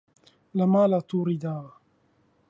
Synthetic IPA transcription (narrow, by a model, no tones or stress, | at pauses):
lamaːlat̪uɾɪd̪a